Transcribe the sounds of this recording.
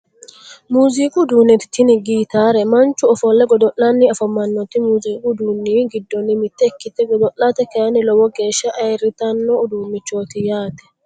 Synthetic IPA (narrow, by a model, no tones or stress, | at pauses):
muːziːkʼud̪uːnːɛt̪ɪ̥t̪ːɪnɪɡiːt̪aːɾɛmɐnt͡ʃːʊɔfɔlːɛɡɔd̪ɔʔlɐnːiɐfɐmːɐnːɔt̪ːɪmuːziːkʼud̪uːnːiːɡɪd̪ːɔnːɪmɪt̪ːɛːkːɪt̪ːɛɡɔd̪ɔʔːat̪ɛkɛɐnɪlɔwɔɡe̞ːʃːɐʔɐjɛɾːɪt̪ɐnːɔʊd̪uːmːɪt͡ʃːoːt̪ɪjaːt̪ɛ̥